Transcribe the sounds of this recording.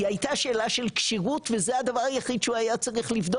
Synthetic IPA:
iajt̪aʃeːlaʃelkʃiʁutvezehad̪avaʁajaχid̪ʃeuhajat͡saʁiχlivd̪o

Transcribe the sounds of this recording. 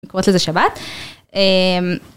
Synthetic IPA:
kʁot̪lezeʃabat̪ | em

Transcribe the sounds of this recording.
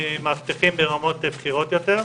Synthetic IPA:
maft̪iχimbeʁamo̞t̪bχiʁo̞t̪jot̪eʁ

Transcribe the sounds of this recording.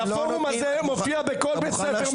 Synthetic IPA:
foʁumazemofiabekolbesefeʁ

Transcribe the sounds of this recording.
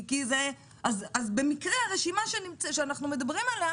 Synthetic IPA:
kize | azazbe̞mikʁeaʁeʃimaʃenimt͡sʃeanaχnume̞d̪abʁimala

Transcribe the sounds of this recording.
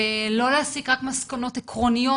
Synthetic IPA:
elo̞laːsikʁakmaskano̞t̪ekʁo̞nijo

